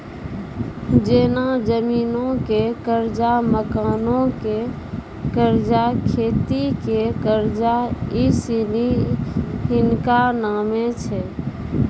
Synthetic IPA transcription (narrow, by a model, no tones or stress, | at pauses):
d͡ʒenad͡ʒəmiːnõkekəɾd͡ʒaməkaːnõke | kəɾd͡ʒakʰeːt̪ikekəɾd͡ʒaisini | hinkanamet͡ʃʰɛ